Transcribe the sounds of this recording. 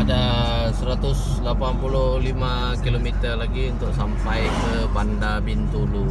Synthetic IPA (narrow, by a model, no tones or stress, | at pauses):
ada | səɾat̪ʊs | lapanpuluhlima | kilomit̪ərlaɡiunt̪ʊk̚sampajkə | bandabint̪ulu